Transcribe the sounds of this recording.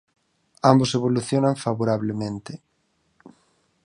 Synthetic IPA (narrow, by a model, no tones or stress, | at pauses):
amboseβoluθjonaɱfaβoɾaβlemẽnt̪ɪ